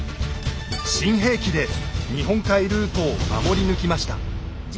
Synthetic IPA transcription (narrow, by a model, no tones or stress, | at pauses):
ɕĩɰ̃ɦe̞ːkʲid̪e̞ɲiɦõ̞ŋkaiɾɯ̟ːt̪o̞ːma̰mo̞ɾʲinɯ̟kʲimaɕi̥t̪a̰